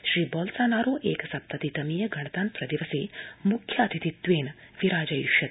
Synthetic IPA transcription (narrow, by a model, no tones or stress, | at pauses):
ʃɾiːbɔːlsaːnaːɾoːʔeːkɐsɐp̚t̪ɐt̪it̪ɐmiːjɐɡʱɐɳɐt̪aːnpɾɐd̪iʋɐseːmukʰjaːt̪ʰit̪it̪ʋeːn | ʋiɾaːd͡ʒɐjiʃɐt̪